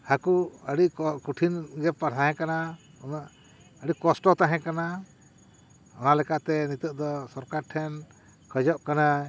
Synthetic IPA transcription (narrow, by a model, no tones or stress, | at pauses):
hakuəɽiʔkuʈʰinɡɛppaɾt̪ʰaɦɛ̃kana | na | əɽiʔkɔsʈɔt̪aɦɛ̃kana | ɔnalɛkaʔt̪ɛnit̪əʔ̚d̪ɔsɔɾkaɾʈʰɛn | kʰəd͡ʒɔʔkana